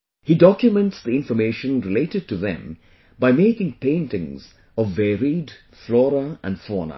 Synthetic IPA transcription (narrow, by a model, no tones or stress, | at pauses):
hidɔkjʊmɛ̃nʈsd̪iɪ̃nfəmeːʃə̃nɾɪleːtɨd̚ʈuðɛ̰̃m | baɪmeːkɪ̃ŋpẽɪ̃ntɪ̰̃ŋz | ɔvːɛɾid | flɔːɾəʔæ̰̃nfɔːnə̰